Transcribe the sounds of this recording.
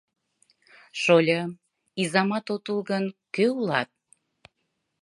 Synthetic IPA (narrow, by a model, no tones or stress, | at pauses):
ʃolʲə | izɑmɑt̪ot̪ulˠɣənkøulɑt̪̚